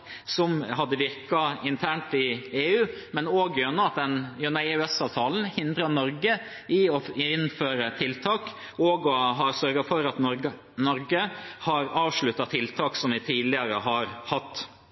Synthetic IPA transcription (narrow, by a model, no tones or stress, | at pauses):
sɔmɦɑd̪ːəʋɪɾkɑɪnt̪ʰæːɳʈɪeːʉːmɛnoːɡjønɑɑt̪̚d̪ɛnjønɑɛːʉɛsɑːʋt̪ʰɑːln̩hɪnd̪ɾɑnɔɾɡə | ɪɔɪnføːɾət̪ʰɪlt̪ʰɑːk | oːɡɔɦɑɾsœɾɡɑfɔɾɑt̪ | nɔɾɡəhɑɾɑːʋʂɭʉt̪ːɑt̪ʰɪlt̪ʰɑːksɔmʋɪt̪ʰiːd̪lɪəɾəɦɑɾhɑt̪ː